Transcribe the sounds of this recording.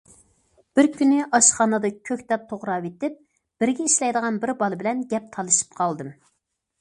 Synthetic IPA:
b̥ɪɾkʲynɪʔɑʃχɑnɨd̪ɑkʲʰøkʲt̪ɛp̚t̪ʰoʁɾɑwet̪ɪp̚ | b̥ɪɾɡʲɛiʃlɛjd̪əʁɑnbɪɾbɑlˠɨbɪlɛnɡʲɛp̚t̪ʰɑlˠɨʃi̥p̚qʰɑlˠd̪ɨm

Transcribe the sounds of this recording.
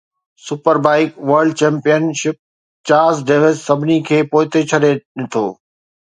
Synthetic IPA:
sʊpəɾbaːɪkʋɐɾɖ̚t͡ɕɛ̃ːmpijənʃɪp̚ | t͡ɕaːɾzɖeːʋɪzsɐbʱɪnikʰeːpoːɪt̪et͡ɕʰɐɗeɗɪt̪ʰoː

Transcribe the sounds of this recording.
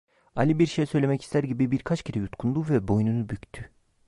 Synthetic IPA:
alʲibiɾʃejsø̞jlʲemɛci̥st̪ʰæɾɟibibiɾkʰat͡ʃcʰiɾɛjut̪kʰund̪uvɛbo̞jnunubyct̪ʰy

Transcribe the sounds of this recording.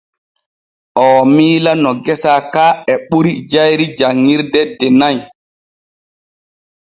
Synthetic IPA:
ʔɔːmiːlanɔɡɛsaːkaːɛɓuɾid͡ʒajɾid͡ʒaŋːiɾdɛdɛnaj

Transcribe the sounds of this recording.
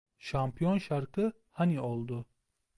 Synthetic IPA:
ʃampʰijɔnʃaɾqɨ | haniɔlˠd̪u

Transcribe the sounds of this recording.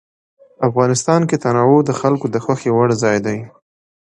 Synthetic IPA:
afɣɑnɪst̪ɑnket̪anɑwod̪əxalkod̪əxwaxewaɽzɑjd̪aj

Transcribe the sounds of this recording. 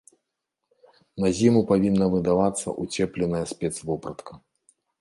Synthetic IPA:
nɐzʲimupavʲinːɐvɨd̪avat̪sːɐ̰ʔut͡sʲɛplʲɛnɐjɐsʲpʲɛt̪svɔpɾɐt̪kɐ

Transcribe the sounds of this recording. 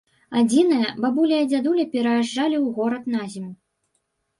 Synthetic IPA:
ad͡zʲinɨjɐbabulʲijɐd͡zʲad̪ulʲɐpʲɛɾɐjaʐalʲiwɣɔɾɐt̪nazʲimu

